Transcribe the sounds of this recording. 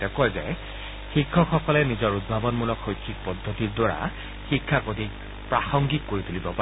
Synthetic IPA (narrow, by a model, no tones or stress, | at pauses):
tɛkɔjzɛ̰ | xikʰːɔxɔkɔlɛnizɔɹud̚bʱabɔnmulɔkxojkʰːik̚pɔdʱːotiɹdwaɹa̰ | xikʰːakodʱi | pɹaxɔŋɡikːoɹit̪ulibɔpa